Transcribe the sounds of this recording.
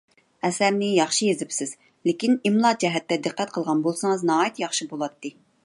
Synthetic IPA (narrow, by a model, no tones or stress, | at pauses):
ɛsæɾnɪjɑχʃijezɪpsɪz̥ | lekʲinimlˠɑd͡ʒɛɦɛt̪ːɛd̪ɨqːɛt̪qʰəlˠʁɑnbolˠsɨŋɨznɑːjit̪jɑχʃibolˠɑt̪ːɨ